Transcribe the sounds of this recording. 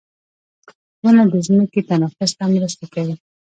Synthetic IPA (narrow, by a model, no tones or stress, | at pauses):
dunad̪əzməket̪anɑfʊst̪amɾəst̪akawi